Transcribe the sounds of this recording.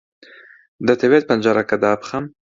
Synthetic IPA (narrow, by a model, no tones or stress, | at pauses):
d̪ət̪ewet̪̚pand͡ʒaɾakad̪aːpχam